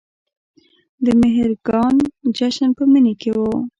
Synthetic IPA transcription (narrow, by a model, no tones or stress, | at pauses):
d̪əmɪɦɾɡɑnd͡ʒaʃanpəməniekewu